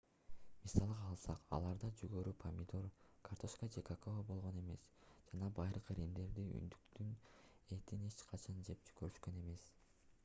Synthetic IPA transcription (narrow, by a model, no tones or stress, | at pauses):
misɑlˠɯʁɑːlˠsɑqɑ̰lˠɑɾd̪ɑd͡ʒyɡøɾypʰɐmʲid̪oɾkʰart̪ʰo̞ʃkad͡ʒekakovobo̞lˠʁo̞ne̞me̞sd͡ʒɑnɑbɑjɾɯqiɾind̪e̞ɾd̪iy̰nd̪ykt̪yne̞t̪inet͡ʃqʰɑt͡ʃʰɑnd͡ʒe̞p̚d͡ʒy̥køɾyʃkø̞ne̞me̞s